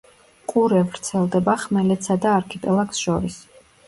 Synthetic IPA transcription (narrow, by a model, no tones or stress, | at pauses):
qʼuɾɛvɾt̪sʰɛlˠd̪ɛbaχmɛlɛt̪sad̪aːɾkʰɛpʼɛlˠaksʃɔɾis